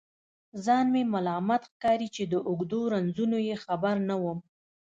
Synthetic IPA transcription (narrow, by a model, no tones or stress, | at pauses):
zɑnmemalɑmat̪xkɑɾit͡ʃed̪əʔʊɡd̪oɾanzunojexabaɾnawəm